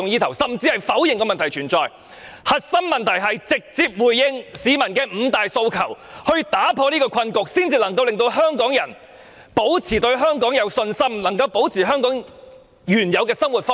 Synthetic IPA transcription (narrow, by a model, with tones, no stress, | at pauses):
ʊ˧ŋjiː˥t̪ʰɐ˨˩wsɐ˨mt͡siː˧hɐ˨jfɐ˨˥wjɪ˨ŋkɔː˧mɐ˨nt̪ʰjt͡ʃʰyː˨˩nt͡sɔː˨˩j | hɐ˨t̚sɐ˥mmɐ˨˩nt̪ʰɐ˨˩jɦɐ˨jt͡sɪ˨k̚t͡siː˧p̚wuː˨˩jːɪ˧ŋsiː˨˧mɐ˨˩nkɛː˧m̩ː˨˧˥t̪aː˨jso˧wkʰɐ˨˩whɵ˧ɥt̪aː˨˥pʰɔː˧niː˥kɔː˧kʷʰɐ˧nkʊ˨k̚siː˥nt͡siː˧lɐ˨˩ŋk̬ɐ˧wlɪ˨ŋt̪o˧wɦœː˥ŋkɔː˨˥ŋjɐ˨˩n | po˨˥wt͡sʰiː˨˩t̪ɵ˧ɥɦœː˥ŋkɔː˨˥ŋjɐ˨˧wsɵ˧nsɐ˥mlɐ˨˩ŋkɐ˧wpo˨˥wt͡sʰiː˨˩ɦœː˥ŋkɔː˨˥ŋ | jyː˨˩njɐ˨˧wkɛː˧sɐ˥mwu˨˩t̚fɔː˥